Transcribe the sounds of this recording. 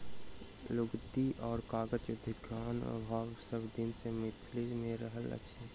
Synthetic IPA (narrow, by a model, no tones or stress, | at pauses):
lʊɡt̪iʔɔːɾkaːɡət͡ʃəd̪ʱɪɡʰaːnə̰bʱaːɡsəbd̪ɪnsemɪt̪ʰlimẽɾəɦələ̰tːʃʰe